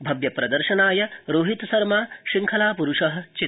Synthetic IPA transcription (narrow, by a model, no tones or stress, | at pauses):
bʱɐbjɐpɾɐd̪ɐɾʃɐnaːjɐɾoːɦit̪sɐɾmaːʃiŋkʰɐlaːpuɾuʂɐɦɐ̆t͡ʃi